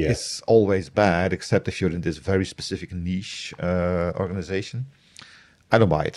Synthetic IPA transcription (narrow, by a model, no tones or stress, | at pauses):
ɪsɔlˠwezbædɨksɛp̚tɪfjəɾɨ̃ndðɪsvɛɹispə̥sɪfɨkniʃəɔ̰ɹɡənɨzeɪʃə̃n̩ | aɪdõʊ̃ntɹa̰ɪt